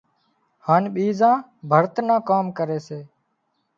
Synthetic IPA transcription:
haːnɓiːzãː | bʱəɾt̪nãːkaːmkəɾeːseː

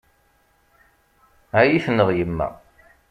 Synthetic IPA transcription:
æjiθnːəðˤjəmːæ̰

